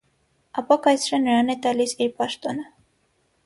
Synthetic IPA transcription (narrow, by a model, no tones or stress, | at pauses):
ɑpɑkɑjt͡sʰɾɛnəɾɑnɛt̪ɑlisiɾpɑʃt̪ɔnə